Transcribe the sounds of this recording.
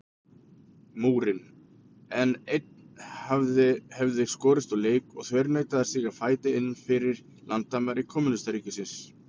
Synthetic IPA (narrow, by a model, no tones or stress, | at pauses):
muːɾɪn | ɛnejt̪̚nnhavðɪhɛvðɪskɔːɾɪst̪ɔleːjkɔɣθvɛɾnaːjt̪aðaɾsiːɣafaːjt̪ɪɪnːfɪɾɪɾ̥ | lʔant̪ːaːmaɾɪkʰɔːmʏnɪst̪aɾiːcɪsɪns